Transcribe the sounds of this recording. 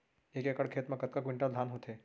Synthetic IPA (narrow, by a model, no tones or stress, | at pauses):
eːkekəɽkʰeːt̪mãkɐt̪̚kak̬ʋɪ̃ɳʈad̪ʱaːnɦoːt̪ʰeː